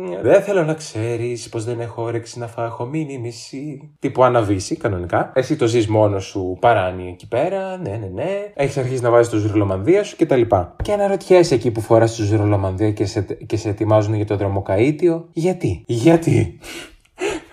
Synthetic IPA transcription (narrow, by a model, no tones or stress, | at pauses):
neðenθe̞lo̞nɐkse̞ɾispo̞zðene̞xoɾeksinɐfɐxo̞minimisi | t̪ipuɐnɐvisikɐno̞nikɐe̞sit̪o̞zizmo̞no̞supɐɾɐnieci̥pe̞ɾɐnenene̞eçi̥sɐɾçizinɐvɐzist̪ozuɾolo̞mɐnðiɐsu̥ce̞t̪ɐlipɐceenɐɾo̞t̪çesecipufoɾɐst̪ozuɾo̞lo̞mɐnðiɐesceseːt̪imɐzuneʝɐt̪o̞ðɾo̞mo̞kɐit̪io̞ʝɐt̪iʝɐt̪ḭ